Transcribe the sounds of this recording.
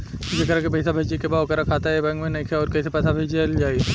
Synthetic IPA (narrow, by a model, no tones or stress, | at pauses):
d͡ʒɐkəɾakepɐs̬abʱɐd͡ʒikebaokɐɾakʰaːt̪aɦɛbɐ̃ŋɡmẽnɐĩkʰɔːɾkɐːsepɛːsabʱeːd͡ʒeld͡ʒaːi